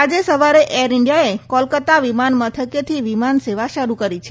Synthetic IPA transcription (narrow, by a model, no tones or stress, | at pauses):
ad͡ʒesəʋaɾeʔʔeɾɪɳɖijaekɔlkət̪aʋimanmət̪ʰəket̪ʰiʋimanseʋaʃəɾukəɾit͡ʃʰe